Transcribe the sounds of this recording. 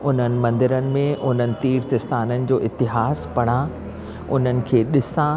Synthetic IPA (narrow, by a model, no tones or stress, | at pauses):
ʊn̤ənɪ̆mɐ̃nd̪ɪɾənɪ̆mẽʔʊn̤ənɪ̆t̪iːɾt̪ɪst̪aːnənɪ̆d͡ʑoːʔɪt̪ɪɦaːspɐɽ̃ã | ʊn̤ənɪ̆kʰeːɗɪsã